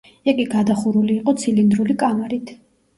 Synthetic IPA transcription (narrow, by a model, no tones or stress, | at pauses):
ɛkʼiɡad̪aχuɾuliːqʼɔt̪sʰilind̪ɾulikʼamɛɾit̪ʰ